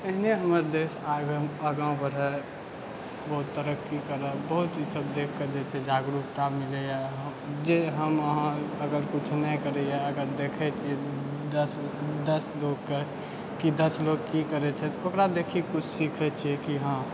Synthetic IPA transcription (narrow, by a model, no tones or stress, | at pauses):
əɦneɦəməɾd̪esaɡəməɡãbəɽ̤ɛ | bəɦut̪ːəɾəkːikəɾəbəɦut̪səb̚d̪ekʰked͡ʒɛt͡ʃʰɛd͡ʒaɡɾup̚t̪amilejaɦ | d͡ʒeɦəməɦãəɡəɾkut͡ʃʰnəkəɾɛjaəɡəɾd̪ekʰɛt͡ʃʰiɛd̪əsd̪əsloɡke | kid̪əsloɡkikəɾɛt͡ʃʰɛt̪okɾad̪ekʰikut͡ʃʰsikʰɛt͡ʃʰiɛkiɦã